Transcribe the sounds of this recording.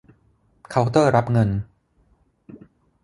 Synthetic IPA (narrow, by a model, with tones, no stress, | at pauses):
kʰa˧wk̚t̪ɤː˥˩ɾa˦˥p̚ŋɤ˧n